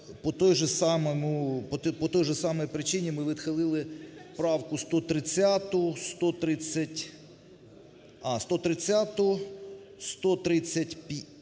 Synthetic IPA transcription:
pɔt̪ɔjʒɛsɑmɔmʊpɔpɔt̪ɔjʒɛsɑmɔjpɾɪt͡ʃɪnʲimɪʋʲɪd̪xɪlˠɪlˠɪpɾɑwkʊst̪ɔt̪ɾɪt͡sʲːat̪ʊʊst̪ɔt̪ɾɪt͡sʲːɐtʲ | ɑst̪ɔt̪ɾɪt͡sʲːat̪ʊʊ | st̪ɔt̪ɾɪt͡sʲːɐtʲpʲ

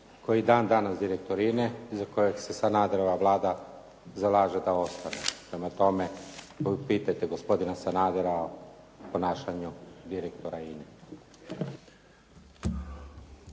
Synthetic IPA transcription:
ko̞jid̪aːnd̪anasd̪iɾek̚t̪o̞ɾineizako̞je̞ɡse̞sanaːd̪eɾoʋaʋlˠaːd̪a | zalˠaːʒed̪ao̞st̪anḛpɾe̞mat̪o̞me̞ | opiːt̪at̪eɡo̞spo̞d̪inasanaːd̪eɾao | po̞naːʃaɲud̪iɾekt̪oɾaine

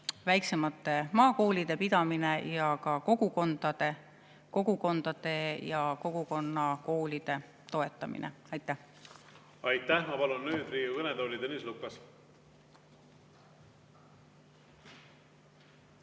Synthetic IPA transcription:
væjkse̞mɑt̪ːˑe̞mɑːko̞ːlid̪̥e̞pid̪̥ɑmine̞jɑkɑko̞ɡ̥uko̞nd̪̥ɑd̪̥e̞ | ko̞ɡ̥uko̞nd̪̥ɑd̪̥e̞jɑko̞ɡ̥uko̞nːɑko̞ːlid̪̥e̞ | t̪o̞e̞t̪ːˑɑmḭnḛ | ɑjt̪ːˑæh | ɑjt̪ːæhmɑpɑlunːyːd̪riːuɤned̪oːlʲid̪enislukːˑɑs

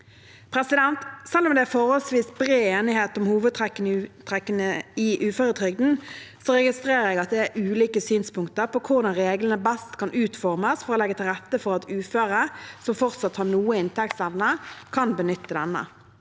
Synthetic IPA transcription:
pʰɾɛsɪd̪ɛnt̪sɛlːɔmd̪ɛæfɔɾhɔlsʋiːsbɾeːeːnɪheːt̪ɔmhuːʋəd̪̚t̪ʰʁɛkːənt̪ʰʁɛkːənəɪʔʉːføːɾət̪ʰʁʏɡ̚d̪n̩sɔʁɛɡɪst̪ɾeːʁəɾɛɡɑt̪̚d̪ɛæɾʔʉːliːkəsyːnspʊŋkt̪əɾpɔkʰʊʁd̪ɑnʁeːɡlənəbɛst̪kʰɑnʔʉːt̪fɔʁməsfɔʁɔlɛɡːət̪ʰɪlʁɛt̪ːəfɔɾɑt̪ʉːføːɾəsɔmfɔʁt̪sɑt̪hɑnuːəɪnt̪ʰɛk̚t̪sɛʋnəkʰɑnbənʏt̪ʰːəd̪ɛnːə̰

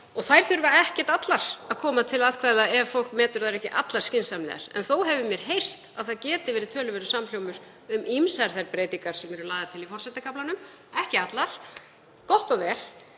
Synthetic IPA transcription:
ɔɣθajɾ̥θʏɾvaɛhcɛt̪at̪laɾ̥aðkʰɔːmat̪ʰɪlaðkʰvaːjðaɛvfowl̥kmɛːt̪ʏɾ̥θaɾɛhcɪʔat̪laɾ̥scɪnsamlɛ̰ːa̰ɾ̥ɛ̰nθowɦɛvʏmjɛɾ̥ɦej̥st̪aðθaðcɛːt̪ɪvɛːɾɪðt̪ʰœːlʏvɛːɾʏ̥saml̥jowmʏɾ̥ | ʏmimsaɾ̥θaɾpɾeːjt̪iŋkaɾ̥sɛmɛɾʏlaːðaɾt̪ʰɪlifɔrsɛt̪akʰaplanʏm | ɛhcɪat̪laɾ̥ | kɔht̪ɔvɛːl̥

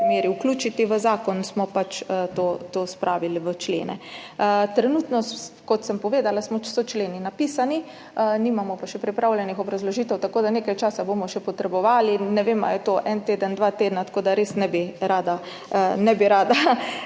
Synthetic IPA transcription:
meːɾiukluːt͡ʃit̪iʋəzaːkɔnsmɔpat͡ʃət̪oːt̪oːspɾʔaːʋilʋət͡ʃlḛːnɛ̰t̪ɾɛnut̪nɔkɔt̪səmpɔʋeːd̪alasmɔt͡ʃɛ̥sɔt͡ʃleːninapiːsani | əniːmamɔpaʃɛpɾipɾaːwljɛnixɔbɾazlɔʒiːt̪ɛwt̪akoːd̪aneːkajt͡ʃaːsabomɔʃɛpɔt̪ɾɛbɔʋaːlinːɛʋema̰jɛt̪oʔɛnt̪eːd̪ənd̪ʋaːt̪eːd̪nat̪ḁkoːd̪aɾeːsnɛbiɾaːd̪a | nɛbiɾaːd̪a

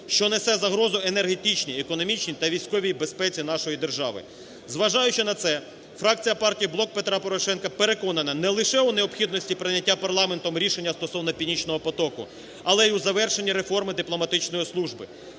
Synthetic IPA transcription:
ʃt͡ʃɔnesɛzɐɦɾɔzʊene̞rɦet̪it͡ʃnʲiekɔnɔmʲit͡ʃnʲit̪ɐʋʲijsʲkɔʋʲijbe̞spɛt͡sʲin̪ɑʃɔjid̪erʒɑʋɪ̰ | zʋɐʒɑjʊt͡ʃɪnɐt̪sɛ | fɾɑk̚t͡sʲijɐpɑrtʲijiblˠɔk̚pet̪ɾɑpɔɾɔʃɛnkɐpeɾe̞kɔnɐnɐnɛlˠɪʃɛʊneɔpxʲid̪nɔsʲtʲipɾɪnʲɐtʲːapɐrlˠɑment̪ɔmɾʲiʃenʲːɐst̪ɔsɔwnɔpʲinʲit͡ʃnɔɦɔpɔt̪ɔkʊ̰ | ɐlˠɛjuzɐʋɛrʃe̞nʲːiɾe̞fɔrmɪd̪ɪplˠɔmɐt̪ɪt͡ʃnɔjislˠuʒbɪ

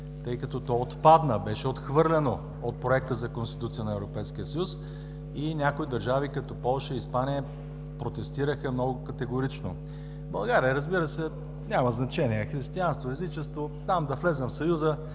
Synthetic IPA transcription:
t̪ɤjkɐt̪ɔt̪ɔot̪pad̪nəbɛʃɛot̪xvɤɾlʲɛno | ot̪̚pɾoɛk̚t̪əzɐkonst̪i̥t̪ut̪sijənɐɛvɾopɛjsk̟ijəsəjus | inʲakoid̪ɐɾʒavikɐt̪ɔpɔlˠʃəiːspanijə | pɾot̪ɛst̪iɾəxəmnɔɡʊkɐt̪ɛɡoɾit͡ʃno̰ | bɐlˠɡaɾijəɾəzbiɾəsɛ | nʲaməznɐt͡ʃɛniɛxɾist̪ianst̪voɛzit͡ʃɛst̪vot̪amd̪ɐflɛzəmfsɐjuzə

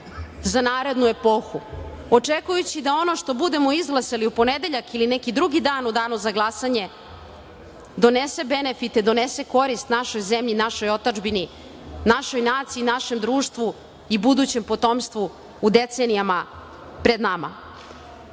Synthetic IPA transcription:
zanaːɾe̞d̪nue̞po̞xu | ot͡ʂekujut͡ɕid̪ao̞no̞ʃt̪o̞bud̪e̞mo̞izɡlˠaseliupo̞ned̪eʎakilinekid̪ɾuɡid̪aːnud̪aːnuzaɡlˠasaɲe̞ | d̪o̞nese̞be̞nefit̪id̪o̞nese̞ko̞ɾist̪naʃo̞jzemʎinaʃo̞jo̞t̪ad͡ʒbini | naʃo̞jnaːt̪siiːnaʃe̞md̪ɾuːʃt̪ʋu | ibud̪ut͡ɕe̞mpo̞t̪o̞mst̪ʋuː | d̪et̪senijama | pɾe̞d̪nama̰

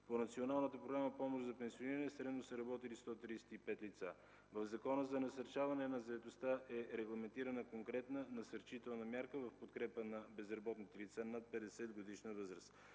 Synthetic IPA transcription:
ponɐt̪sionalˠnət̪əpɾoɡɾaməpɔmoʒd̪zɐpɛnsioniɾənɛsɾɛd̪nosəɾɐbɔt̪ilist̪ɔt̪ɾisɛ̥t̪ipɛt̪lit̪sa | vɐvzɐkɔnəzɐnɐsɐɾt͡ʃavɐnɛnɐzɐɛt̪ost̪aʔɛɾɛɡlˠɐmɛnt̪iɾənəkoŋkɾɛt̪nənɐsɐɾt͡ʃit̪ɛlˠnəmʲjaɾkəvɐfpot̪kɾɛpənɐbɛzɾɐbɔt̪nit̪ɛlit̪sanat̪̚pɛd̪ɛsɛd̪ɡod̪iʃnəvɤzɾəst̪

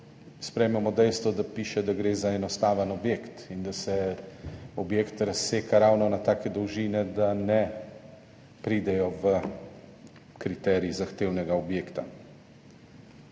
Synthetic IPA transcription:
spɾɛjmɛmɔd̪ɛjst̪ʋɔd̪apiːʃɛd̪aɡɾeːzaɛnɔst̪aːʋənɔbjeːkt̪ind̪asɛ | ɔbjeːkt̪ɾɐsːeːkaɾawnɔnat̪aːkɛd̪ɔwʒiːnɛd̪anɛ | pɾiːd̪ɛjɔʋə | kɾit̪ɛːɾiizaxt̪eːwnɛɡaɔbjeːkt̪a

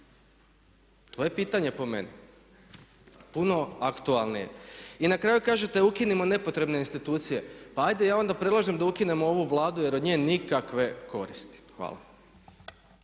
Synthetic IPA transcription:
t̪oːje̞piːt̪aɲe̞po̞me̞̰ni | puno̞akt̪ualˠnije̞̰inakɾaːjukaːʒe̞t̪eukinimo̞ne̞po̞t̪ɾe̞bne̞inst̪it̪uːt̪sije̞paajd̪ejaːo̞nd̪apɾe̞dlˠaʒemd̪aukine̞moo̞ʋuʋlˠaːd̪uje̞ɾo̞d̪ɲeːnikakʋe̞kʰo̞̰ɾḭst̪i̥xʋa̰ːlˠa̰

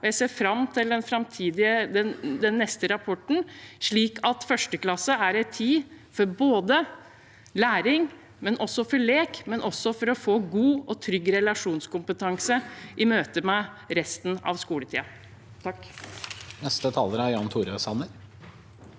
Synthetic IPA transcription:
ɔjæɪseːɾfɾɑmt̪ʰɪld̪ɛnfɾɑmt̪ʰiːd̪ɪəd̪ɛnd̪ɛnːɛst̪əɾɑpʰɔʈɳ̩ʂɭiːkʰɑt̪fœʂʈəklɑsːəæɾɛɪt̪ʰːiː | fɔɾboːd̪ə | læːɾɪŋ | mɛnʔɔsɔfɔɭeːkmɛnʔɔsːɔfɔɾɔfoːɡuːɔt̪ʰɾʏɡːɾɛlɑʂuːnskʊmpət̪ʰɑŋsəʔɪmøːt̪əmæɪ | ɾɛst̪nɑ̰ʋskuːlət̪ʰḭːɑ | t̪ʰ | nɛst̪ət̪ʰɑːləɾæɾjɑːnt̪ʰuːɾøsɑnəɾ

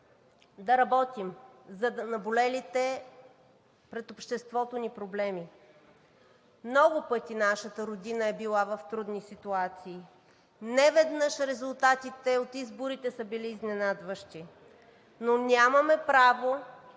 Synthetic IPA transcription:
d̪ɐɾɐbɔt̪imzɐd̪ɐnɐbolɛlit̪ɛ | pɾɛt̪opʃt̪ɛst̪vɔt̪onipɾoblɛmi | mnɔɡʊpɤt̪inaʃət̪əɾod̪inəɛbilˠavəft̪ɾud̪nisit̪uat̪siː | nɛvɛd̪nɤʃɾɛzʊlˠt̪at̪it̪ɛot̪izboɾit̪ɛsəbiliːznɛnad̪vəʃt̪i | nonʲamɐmɛpɾavo

